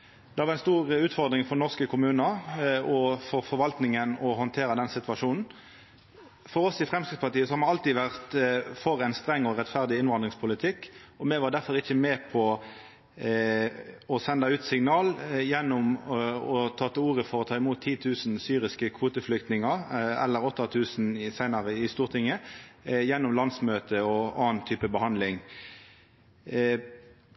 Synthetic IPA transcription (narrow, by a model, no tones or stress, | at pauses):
d̪ɛhɑʋɑɛnst̪uːʁʉːt̪fɔʁd̪ɾɪŋfɔnɔʁskəkʰʊmʉːnəɔfɔɾfɔɾʋɑlt̪nɪŋənɔɦɔnt̪ʰeːɾəd̪ɛnsɪt̪ʋɑʂuːnn̩ | fɔɾɔsɪfʁɛmskɪd̪spɑʁt̪iːəsɔhɑɾmɛɑlt̪id̪ʋæʁt̪fɔɾæɪnst̪ɾɛŋːɔɾɛt̪fæʁd̪ɪɪnʋɑnd̪ʁɪŋspʰʊlɪt̪ʰɪkːɔmɛʋɑd̪æɾfɔɾʁɪçːəmɛːpʰɔ | ɔsɛnd̪ɑʉːt̪sɪŋnɑːljɛnːʊmɔt̪ʰɑːt̪ʰːuːʁəfɔɾɔt̪ʰɑːɪmuːt̪ʰːiːt̪ʰʉːsnsyːɾɪskəkʰʋuːt̪əflʏk̚t̪nɪŋɑʁɛ̰lːəɾɔt̪ːɑt̪ʰʉːsnsæɪnɑʁəɪst̪uːʁt̪ʰɪŋːəjɛnːʊmlɑnsmøːt̪əɔɑːnt̪ʰːyːpəbəhɑnd̪lɪŋ